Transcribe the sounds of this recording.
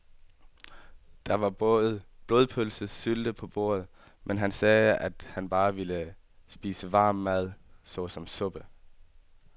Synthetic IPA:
d̥ɑ̈ʋɑ̈b̥ɔ̽ːð̩ˠb̥lo̝ð̞ˠpʰølsəsyld̥əpʰɒ̽b̥o̝̰ːɐð̩ˠ | mʔenɦænsɛːæd̥hænb̥ɑ̈ːʋilə | sb̥iːsəʋɑ̈ːmːæð̞̰ˠsɒ̽sɒ̽msɔ̽b̥ə

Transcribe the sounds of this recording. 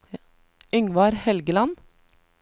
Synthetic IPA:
ʏŋʋɑːɾhɛlɡəlɑn

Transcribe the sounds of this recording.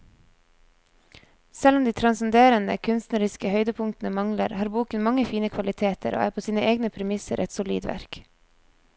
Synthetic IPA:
sɛlɔmd̪iːt̪ʰɾɑnsən̩d̪eːɾənə̰kʰʉnst̪nəɾɪskəhœʏd̪əpʰʊŋt̪n̩əmɑŋləɾhɑːɾbuːkənmɑŋəfiːnəkʰʋɑlɪt̪ʰeːt̪ʰə̰ɾo̰ːæːɾpʰoːsiːnəʔeːɡnəpʰɾɛmɪsə̰ɾʔɛt̪sʊlḭːd̪ʋæ̰ɾk

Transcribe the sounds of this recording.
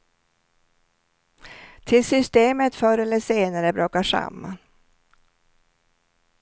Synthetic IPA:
t̪ʰɪlsʏst̪eːmət̪fœɾɛlːəʂeːnaɾəbɾoːkːaʂa̰mːa̰n

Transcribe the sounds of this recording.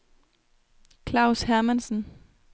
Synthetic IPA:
kʰlɑ̈ʊshæɐmænsn̩

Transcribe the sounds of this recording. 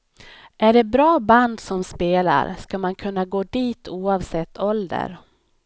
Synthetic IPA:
ʔæɖɛbɾɑːband̪sɔmspeːla̰ɾskamankʰɵnːaɡoːd̪iːt̪ʰuːɑːvsɛt̪ʰːɔld̪ə̰ɾ

